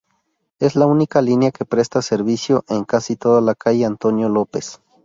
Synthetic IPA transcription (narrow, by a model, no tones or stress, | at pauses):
e̞slaunikalinjakepɾest̪aseɾβisjoʔeŋkasit̪oðalakajeant̪onjolopes